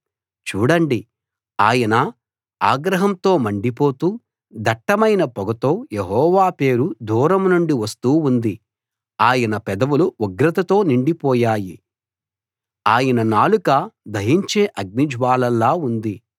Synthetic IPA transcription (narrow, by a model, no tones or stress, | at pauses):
t͡ʃuːɽɐɳɖi | aːjɐnɐ | aːɡɾɐɦɐmt̪o̞ːmɐɳɖipo̞ːt̪uː | d̪ʱɐʈːɐmɐjnɐpɔɡɐt̪o̞ːjeɦɔːʋaːpe̞ːɾud̪ʱuːɾɐmnuɳɖiʋɐst̪uːund̪i | aːjɐnɐpɛd̪ɐʋuluuɡɾɐt̪ɐt̪o̞ːniɳɖipɔːjaːji | aːjɐnɐnaːlukɐd̪ʱɐɦiɲt͡ʃeːʔɐɡ̚nid͡ʒʋaːlɐlːaːund̪i